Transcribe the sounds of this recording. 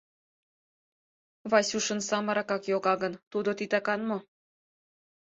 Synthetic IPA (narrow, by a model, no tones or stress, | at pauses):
βɑsʲuʃənsɑməɾɑkɑkjoɣɑɣənt̪ud̪ot̪it̪ɑkɑnmo